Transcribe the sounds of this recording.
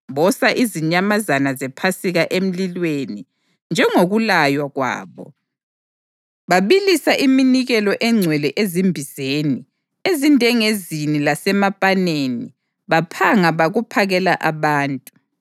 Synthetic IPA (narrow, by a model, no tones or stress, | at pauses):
βɔsaʔiziɲamazanazɛpʰasiɣaʔem̩lilweni | nd͡ʒʱɛŋoɣulajwaɣwa̰ːβɔ̰ | βaβilisaʔiminiɣɛlɔʔɛŋ͡ǀʱwɛlɛʔezimbʱiz̥eni | ezindʱɛŋezinilasɛmapʼaneni | βapʰaŋaβaɣupʰaɣɛla̰ʔaβaːntʼu